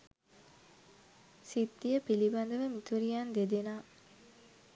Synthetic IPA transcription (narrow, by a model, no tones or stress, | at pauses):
sit̪ːijəpiliband̪əʋəmit̪uɾijand̪ed̪enaː